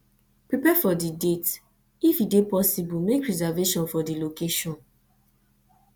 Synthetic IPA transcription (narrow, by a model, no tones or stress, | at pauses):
pɹipɛfɔdidet | ifidepɔsibumekɹizɛveʃɔ̃nfɔdilokeʃɔ̃n